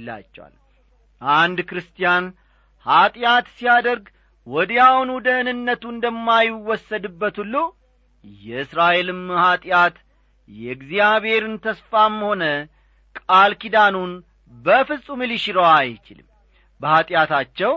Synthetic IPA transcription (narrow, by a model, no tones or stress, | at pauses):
la̰t͡ʃːɛ̰wa̰l | ʔand̪kɾɨst̪ijan | hat̪ʼjat̪sijad̪əɾɡ | wɔd̪jawnud̪əɨnɨnːət̪uɨnd̪əmːajɪwɔsːəd̪ɨbːət̪ulːu | jɛɨsɾaʔe̞lɨmhat̪ʼjat̪ | jɛɡzijaβhe̞ɾɨnt̪ʰəsfamːho̞nə | kʼalkid̪anun | bəfɨsʼumɨliʃiɾəwajt͡ʃɪlɨm | bəhat̪ʼjat̪at͡ʃːɛw